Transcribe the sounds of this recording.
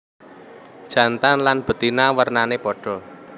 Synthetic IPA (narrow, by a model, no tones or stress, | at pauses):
d̥ʒ̥ä̤nt̪anlanb̥ə̤t̪inawərnanepɔɖ̥ɔ̤